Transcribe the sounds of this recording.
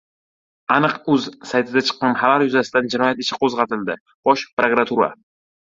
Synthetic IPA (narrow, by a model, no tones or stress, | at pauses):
anɨqɵzsajt̪ʰɪd̪at͡ʃʰɨ̥qːɑnhalaɾjʊzasɪd̪and͡ʒɪnɒjat̪ɪʃɪ̥qʰozʁɑt̪ʰɪld̪ɪ | b̥ɒʃpɾokɾat̪ʰuɾa̰